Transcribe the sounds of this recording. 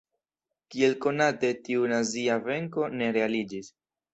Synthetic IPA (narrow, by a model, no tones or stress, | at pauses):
kie̞lko̞nate̞tiunaziave̞ŋko̞ne̞ɾe̞alid͡ʒis